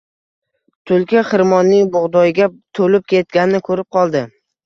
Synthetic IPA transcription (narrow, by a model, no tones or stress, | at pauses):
t̪ʰʊlkʲɪχɨɾmɒnijbʊʁd̪ɒjɡʲat̪ʰolɪp̚kʲʰet̪̚ɡʲanɪnɪkʰɵɾɪp̚qʰɒlˠd̪ɪ